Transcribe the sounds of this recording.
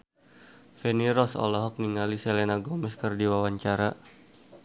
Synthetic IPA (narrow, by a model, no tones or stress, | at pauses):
fɛniɾɔsɔ̰lɔɦɔk̚niŋalisɛlenaɡɔmɛskərdiwawaɲt͡ʃaɾa